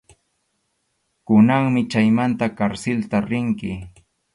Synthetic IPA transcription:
kʊnaŋmɪt͡ʃajmant̪akaɾsɪlt̪aɾɪŋkɪ

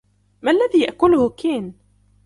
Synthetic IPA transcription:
mælːæðijəʔkʊlhʊkin

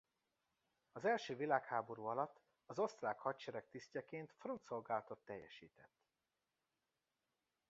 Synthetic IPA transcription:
ɒzɛlʃøːvilaːkhaːbo̞ɾuːɒlɒt̪ː | ɒzo̞st̪raːkhɒct͡ʃɛɾɛk̚t̪iscɛkeːnt̪front̪so̞lɡaːlɒt̪o̞t̪ːɛjːɛ̰ʃḭːt̪ɛt̪ː

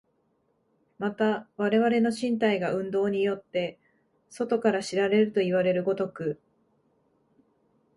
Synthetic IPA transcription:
mat̪aβaɾe̞β̞aɾe̞no̞ɕĩnt̪aiɡaɯ̟̃nd̪o̞ːɲ̟ijo̞t̪ːe̞ | so̞t̪o̞kaɾaɕiɾaɾe̞ɾɯ̟t̪o̞iβ̞aɾe̞ɾɯ̟ɡo̞t̪o̞kɯ̟

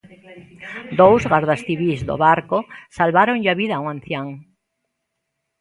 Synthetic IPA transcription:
d̪owzɣaɾðasθiβizðo̰βaɾkosalβaɾoŋʎaβiðauŋãn̟θjaŋ

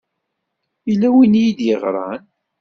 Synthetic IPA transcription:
ilːæwinijid̪jəʁɾˤɑ̰n

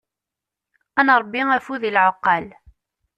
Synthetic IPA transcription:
ænɾˤəbːiæfuðilʕoqːɑl

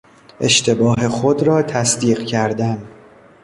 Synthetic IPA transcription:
ʔe̞̰ʃt̪ʰe̞bɒːɦe̞xod̪ɾɒːt̪ʰæsd̪iːɢcʰæɾd̪æn

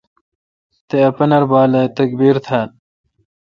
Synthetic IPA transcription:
t̪eɐpɐnɐɾbaːlɐt̪ɐk̚biːɾt̪ʰal

